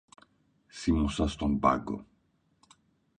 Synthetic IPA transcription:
simusɐst̪ombɐ̰ɡo̰

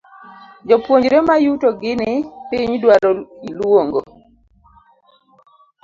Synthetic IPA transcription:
d͡ʒɔpwoɲd͡ʒɾɛmajutoɡɪnɪpiɲdwaɾoilwoŋɡo

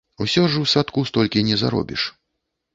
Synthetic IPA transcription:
usʲɔʐɨwsat̪kust̪ɔlʲkʲinʲɛza̰ɾɔ̰bʲḭʂ

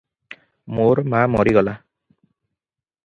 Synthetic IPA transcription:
moɹmamɔɾiɡɔla

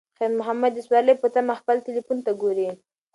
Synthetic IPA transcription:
xamʊɦamad̪ɪswɑləjpət̪amaxpəlʈ̪ɪlifunt̪aɡoɾi

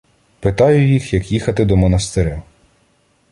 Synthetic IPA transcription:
pɪt̪ɑjʊjixjɐkjixɐt̪ɪd̪ɔmɔnɐst̪ɪɾʲa

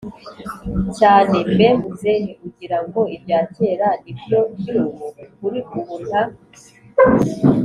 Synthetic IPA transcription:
caːne̞mbemuzeniʔuɟiɾaŋɡo̞ibjaːceːɾanibjo̞bjiɾuβukuɾikuβun̥ha

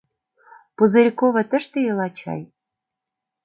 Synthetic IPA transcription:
puzɘ̆ɾʲikoβɤ̆t̪ə̆ʃt̪ĕjelɑt͡ɕɑ̰j

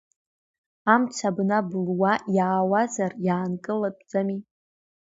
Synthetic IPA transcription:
amt͡ʃʷʰabnabɨlwajaːwazarjaːnkʼɨlatʼd͡zʼami

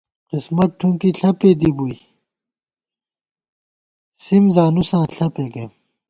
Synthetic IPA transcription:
qismɐʈ̚ʈʰũŋkiɬʰɐpeːd̪ibui | simzaːnusãːɬɐpeːɡɐm

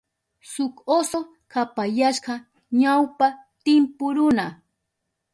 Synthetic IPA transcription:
sʊkoso | kapajaʃɢɑ | ɲawpat̪ɪmpʊɾʊna

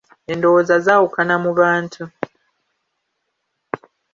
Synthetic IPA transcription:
endowozazaːwukanamuβaːntʰu

